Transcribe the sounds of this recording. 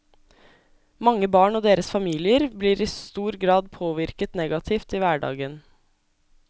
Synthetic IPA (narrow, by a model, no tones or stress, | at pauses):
mɑŋːəbɑːɳɔd̪eːɾəsfɑmiːlɪəɾbliːɾɪst̪uːɾɡɾɑːd̪pʰoːʋɪɾkət̪nɛɡɑt̪ʰɪft̪iːʋæːɖɑ̰ːɡən